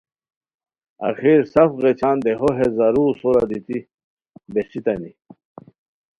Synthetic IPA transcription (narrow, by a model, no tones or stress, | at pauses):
ɐ̰xiɾsɐfɣet͡ɕʰaːnd̪eɦoɦezaɾuːsoɾad̪it̪i | besit̪ɐni